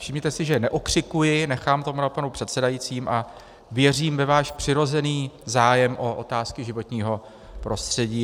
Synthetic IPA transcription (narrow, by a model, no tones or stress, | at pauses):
fʃɪmɲɛt̪ɛsɪʒɛnɛʔokr̥ɪkujɪnɛxaːmt̪o̞munapanupr̝̥ɛt̪sɛdajit͡siːmʔa | vjɛr̝iːmvɛvaːʃpr̝̥ɪɾo̞zɛniːzaːjɛmʔo̞ʔot̪aːskɪʒɪvo̞t̪ɲiːɦo̞ | pɾo̞st̪r̝̥ɛɟiː